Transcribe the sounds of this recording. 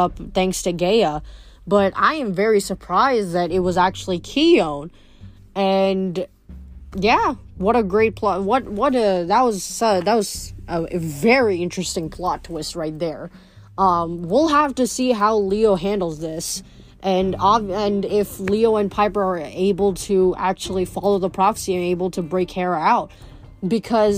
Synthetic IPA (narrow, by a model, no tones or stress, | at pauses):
ʌp̚θæ̃ŋkstʰɨɡeɪəbʌɾa̰ɪɨ̃ɱvɛɹisə˞pʰɹ̥aɪzðɨɾɨt̚wʌzæk̚t͡ʃul̩ˠikʰiõʊ̃n | ɨ̃n | jæwʌɾɨɡɹeɪt̚pʰl̥ɑwʌt̚wʌɾɨðət̚wʌz̥sʌðət̚wʌz̥əvɛɹiɪ̃nt͡ʃɹ̥ɨstɪ̃ŋpʰl̥ɑtʰwɪst̚ɹaɪt̪̚ðə˞ | ʌ̃mwilˠɦæftɨsiɦaʊlioʊɦæ̃ndˡl̩ˠzðɪs | ʔɨ̃nɑɨ̃nɪflioʊɨ̃npʰaɪpə˞ə˞eɪbl̩ˠtʰɨæk̚t͡ʃul̩ˠifɑlˠoʊðəpʰɹ̥ɑfə̥siɨ̃neɪbl̩ˠtʰɨbɹeɪkhɛɹaʊt̚ | b̥ɨkʰʌz